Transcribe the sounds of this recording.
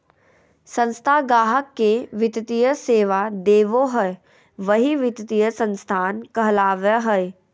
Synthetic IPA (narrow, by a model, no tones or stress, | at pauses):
sə̃nst̪ʰaɡaːɦəkːeʋɪt̪t̪ijəseːʋad̪eːʋoɦɛe | ʋɐɦiʋɪt̪t̪ijəsə̃nst̪ʰaːnkɐɦlaːʋəɦɛj